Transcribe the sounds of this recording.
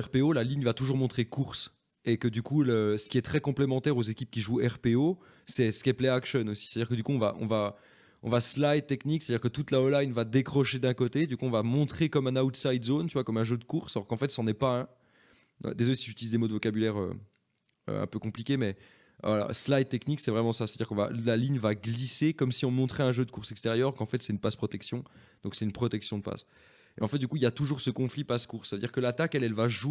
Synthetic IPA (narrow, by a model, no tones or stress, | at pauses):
ɛʁpeolaliɲvat̪uʒuʁmɔ̃t̪χekuʁs | ekəd̪ykuləsə̥kʲiɛt̪χɛkɔ̃plemɑ̃t̪ɛʁozekʲip̚kʲiʒuɛʁpeo | sɛsə̥kʲiaplɛakʃɔnosiset̪ad̪iːʁkəd̪ykuɔ̃va̰ʔɔ̰̃va | ɔ̃vaslajt̪ːɛknikse̥t̪ad̪iʁkət̪ut̪laɔlajnvad̪ekχɔʃed̪ɛ̃kot̪ed̪ykuɔ̃vamɔ̃t̪χekɔmɛ̃naut̪sajd̪zont̪yvwakɔmɛ̃ʒød̪əkuʁsalɔʁkɑ̃fɛt̪sɑ̃nɛpaɛ̃ | ø̰d̪ezɔlesiʒyt̪ilizd̪emod̪əvɔkabylɛʁø̰ | ø̰ɛ̰̃pøkɔ̃plikʲemɛ | a̰la̰slajd̪̚t̪ːɛkniksɛvʁɛmɑ̃saset̪ad̪iʁkɔ̃va̰laliɲvaɡlisekɔmsiɔ̃mɔ̃t̪χɛɛ̃ʒød̪əkuʁsɛkst̪eʁjœʁkɑ̃fɛt̪sɛt̪ynpaspχɔt̪ɛksjɔ̃d̪̥ɔ̃ksɛt̪ynpχɔt̪ɛksjɔ̃d̪əpa̰s | ḛɑ̃fɛt̪̚d̪ykuiljat̪uʒuʁsəkɔ̃flipaskuʁsːavød̪iʁkəlat̪akɛlɛlvaʒu